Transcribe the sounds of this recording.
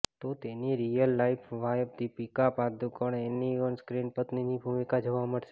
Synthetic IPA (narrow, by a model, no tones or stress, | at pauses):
t̪ot̪eniɾijəlːaipʰʋajbd̪ipikapad̪ukəɳeniənskɾinpət̪ninibʱumikad͡ʒəʋaməɽʃe